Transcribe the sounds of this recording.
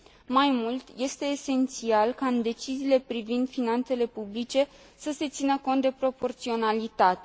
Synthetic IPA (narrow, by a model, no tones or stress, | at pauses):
majmult̪je̞st̪e̞ːse̞nt̪sialkaɨnd̪e̞t͡ʃiziːle̞pɾivind̪̥finant̪se̞le̞publit͡ʃe̞ | səse̞t̪sinəko̞nt̪̚d̪e̞pɾo̞po̞rt̪sio̞nalit̪at̪e